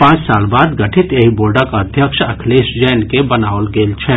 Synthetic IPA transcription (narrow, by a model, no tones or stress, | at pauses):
pãːt͡ʃsaːlbaːd̪ɡɐʈʰɪt̪jeɦiboːɾɖəkəd̪ʱjəkʃɐkʰleːʃd͡ʒɛːnkebɐnaːʋəlɡeːlt͡ʃʰɛː